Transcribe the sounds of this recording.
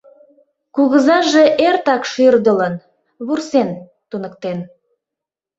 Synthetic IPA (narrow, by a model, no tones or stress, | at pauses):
kuɣəzɑʒeʔert̪ɑkʃyrd̪ələn | βursen | t̪unək̚t̪en